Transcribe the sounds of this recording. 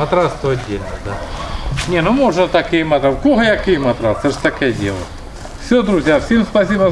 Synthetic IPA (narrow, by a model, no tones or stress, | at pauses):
ɐt̪ɾast̪oɐdʲelʲd̪anʲenomoʐnət̪akɪjmɐt̪ɾakoɦəjakɪjmɐt̪ɾasɨʂt̪ɐkajədʲḛlˠə̰ | fsʲod̪ɾʊzʲjafsʲe̞mspɐsʲib